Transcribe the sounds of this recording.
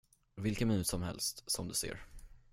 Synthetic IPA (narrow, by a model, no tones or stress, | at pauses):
vɪlkəmɪnʉt̪sɔmhɛ̰lst̪sɔmd̪ɵsḛːɾ